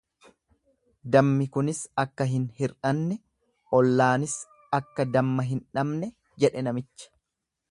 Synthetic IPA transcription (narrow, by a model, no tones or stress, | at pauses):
d̪ɐmːɪkʊnɪsɐkːɐɦɪnhɪɾᶑɐnːɛ | ʔɔlːaːnɪs | ɐkːɐd̪ɐmːɐɦɪnᶑɐmnɛ | d͡ʒɛᶑɛnɐmɪt͡ʃːɐ̥